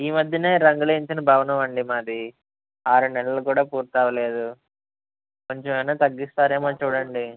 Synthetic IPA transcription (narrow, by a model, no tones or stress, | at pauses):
iːmɐd̪ʱjɐneːɾɐŋɡuleiɲt͡ʃinɐbʱɐːʋɐnɐʋɐɳɖimaːd̪i | aːɾunɛlːɐlɐkuːɽaːpuːɾt̪aːʋɐle̞ːd̪u | ko̞ɲt͡ʃemɐjnaːt̪ɐɡːist̪aːɾeːmaːt͡ʃuːɽɐɳɖi